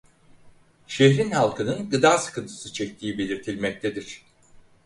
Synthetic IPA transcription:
ʃeçɾinhalˠkʰɯnɯnɡɯd̪aːsɯ̥kʰɯnt̪ʰɯ̥sɯt͡ʃʰɛc̚t̪ʰiːbe̞lʲiɾt̪ʰilʲmɛc̚t̪ʰed̪iɾ̝̥

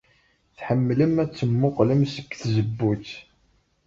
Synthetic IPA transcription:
θħəmːləmæt͡sːəmːʊqləmsə̥kːθzəbːut͡sː

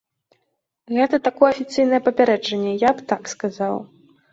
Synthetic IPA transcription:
ɣɛt̪ɐt̪akɔjɛɐfʲit̪sɨjnɐjɛpɐpʲaɾɛd͡ʐɐnʲːɛjapt̪akskazaw

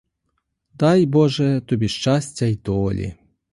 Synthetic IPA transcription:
d̪ajbɔʐɛt̪ɔbʲiʃt͡ʃasʲtʲɐjd̪ɔlʲḭ

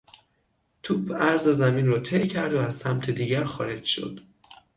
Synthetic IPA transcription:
t̪ʰuːbʰæɾzezæmiːnrɒːt̪ʰejcʰæɾd̪oæz̥sæmt̪ʰe̞d̪iːɟæɾxɒ̰ːɾe̞d͡ʒʃo̞̰d̪̥

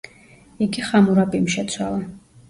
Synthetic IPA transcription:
iɡiχamuɾapʼimʃɛt̪sʰwalˠa

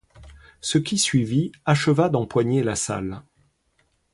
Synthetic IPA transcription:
səkʲisɥiviaʃəvad̪ɑ̃pwaɲelasa̰l

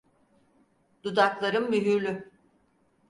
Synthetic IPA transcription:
d̪ud̪aklˠaɾɯmːyɦyɾlʲy

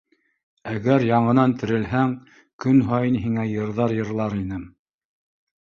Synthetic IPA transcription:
æɣæɾjɑɴɤ̆nɑnt̪ɘ̆ɾɘ̆lɦæŋ | kɵnɦɑjɤnɦiŋæjɤ̆ɾðɑɾjɤ̆ɾlˠɑɾinɘm

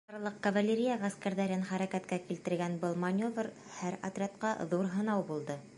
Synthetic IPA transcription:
ɑɾlˠɤq̚kɐvalʲeɾʲijaʁæskæɾðæɾɘnχæɾækæt̪kækilt̪ɘ̆ɾɡænbɤlˠmɐnʲo̞vr | hæɾɐ̰t̪rʲat̪qɑðuɾɦɤ̆nɑwbulˠd̪ɤ

